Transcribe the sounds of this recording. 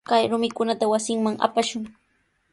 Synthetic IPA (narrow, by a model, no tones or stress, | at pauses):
kajɾʊmɪkʊnat̪awasɪŋmaŋa̰paʃʊŋ